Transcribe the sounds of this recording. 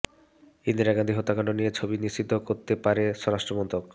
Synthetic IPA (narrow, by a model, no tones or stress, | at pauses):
ind̪iɾaɡand̪iɦot̪ːakaɳɖonijet͡ɕʰobiniʃt͡ɕit̪ːokoɾt̪epaɾeʃɔɾaʃʈɾomɔnt̪ok̚